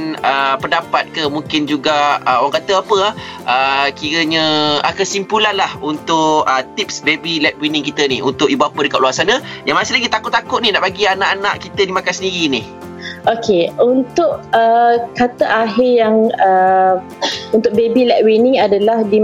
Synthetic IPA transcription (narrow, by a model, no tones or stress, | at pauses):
nəpəndapat̪̚kəmuŋkɪnd͡ʒuɡaəowaŋkat̪əapəah | ʔəkiɾəɲə̃akəsimpulanlahunt̪ʊʔət̪ip̚sbebilɛk̚winɪ̃ŋkit̪ənihunt̪ʊʔibapədəkat̪̚luasanə̃jaŋmasɪlaɡit̪akʊt̪ʔ̚t̪ːakʊʔ̪̚ninaʔbaɡianãʔanaʔkit̪ədimakasəndiɾinih | okʰeunt̪ʊʔəkat̪əʔaɦɪjaŋə | unt̪ʊʔ̚bebilɛʔwinɪŋadalahdi